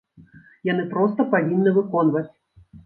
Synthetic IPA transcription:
janɨpɾɔst̪ɐpavʲinːɨvɨkɔnvɐt͡sʲ

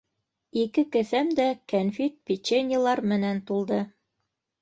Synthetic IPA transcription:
ikɘkɘ̆θæmd̪ækænfit̪̚pʲit͡ɕenʲɪlˠɑɾmɘ̆nænt̪ulˠd̪ɤ

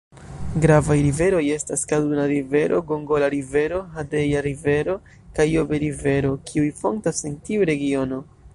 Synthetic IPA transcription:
ɡɾavajɾive̞ɾo̞je̞staskadunaɾive̞ɾʔo̞̰ɡoŋɡo̞laɾive̞ɾo̞ɦadejaɾive̞ɾo̞ | kajobeɾive̞ɾo̞kʰiujfo̞̰ŋktasentiuɾe̞ɡio̞no

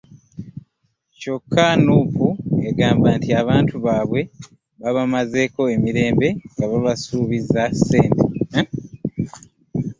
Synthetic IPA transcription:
co̞kʰːanuːpueɡaːmbaːntiaβaːntʰuβaːβwe̞ | βaβamaze̞ko̞e̞miɾe̞ːmbe̞ŋɡaβaβasuːβizase̞ːnte

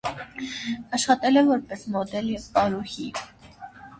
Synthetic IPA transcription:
ɑʃχɑt̪ɛlɛvɔɾpɛsmɔd̪ɛljɛvkɑɾuhi

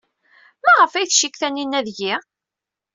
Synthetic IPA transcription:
mæʁəfæjθʃikθænːinːæðʝi

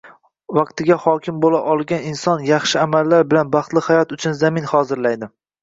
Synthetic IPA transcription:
vɑqt̪ɪɡʲahɒkʲʰɪmbolaʔɒlˠɡʲanɪnsɒnjɑχʃɪamalːaɾbɪlanbɑχt̪lˠɪhajɒt̪ʊt͡ʃʰʊnzamɪnhɒːzɪɾlajd̪ɪ

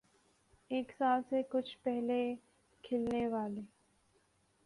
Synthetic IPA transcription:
eːksaːlsekʊt͡ʃʰpɛɦle | kʰɪlneʋaːleː

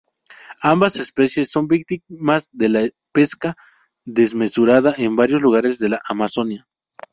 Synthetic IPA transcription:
ambasespesjesːo̞mbik̚t̪imazðela | peska | ðezmesuɾaðaʔembaɾjosluɣaɾezðe̞laʔamasonja

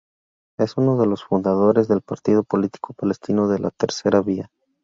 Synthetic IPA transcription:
e̞suno̞ðe̞lo̞sfund̪að̞o̞ɾe̞zðe̞lpaɾt̪ið̞o̞po̞lit̪i̥ko̞pale̞st̪ino̞ðe̞lʔa̰t̪e̞ɾse̞ɾaβia

